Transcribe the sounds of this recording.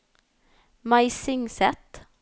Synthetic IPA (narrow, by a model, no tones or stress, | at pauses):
maɪsɪŋsɛt̪